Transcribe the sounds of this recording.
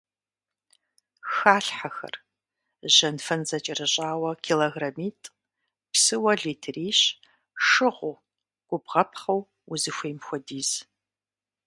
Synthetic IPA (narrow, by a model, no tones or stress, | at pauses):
xaːɬħaxɐ̰r | ʒɐnfɐnzɐt͡ʃʼɐrɨɕʼaːwɐkʰiloɣramiːtʼ | psɨwɐɮiːtʰriːɕ | ʂɨʁʷʊ | ɡ̥ʷʼʊbʁɐpʰχɐw | ʊzɨxʷeːmxʷɔdiːz̥